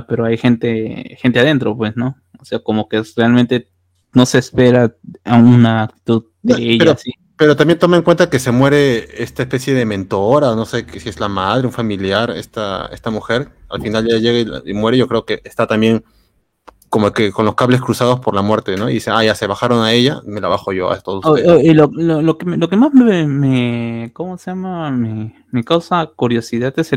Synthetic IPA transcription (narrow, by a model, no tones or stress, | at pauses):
pe̞ɾoajxe̞nt̪exe̞nt̪e̞aðent̪ɾo̞pwe̞sno̞ | oseako̞mo̞ke̞realmẽnt̪e̞ | no̞sespe̞ɾaaunaːk̚t̪i̥t̪uðdnoeʝpeaɾosi | pe̞ɾo̞t̪ambjent̪omaeŋkwe̞nt̪ake̞se̞mwe̞ɾe̞est̪aespe̞sje̞ðemẽ̞nt̪o̞ɾaono̞se̞ksie̞zlamaðɾe̞uɱfamiljaɾe̞̰st̪ae̞̰st̪amuxe̞ɾa̰lfinalʝaʝe̞ɣail̰imwe̞ɾeʝo̞kɾe̞o̞ke̞est̪at̪ambje̞ŋ | komokeko̞nlo̞skaβle̞skɾusað̞o̞spo̞ɾlamwe̞ɾt̪e̞no̞ḭðiseaʝase̞βaxaɾo̞nae̞ʝame̞laβaxo̞ʝo̞a̰est̪osuoolololokelokemazmemekomoseʝamame | mikawsakuɾjo̞siðat̪ese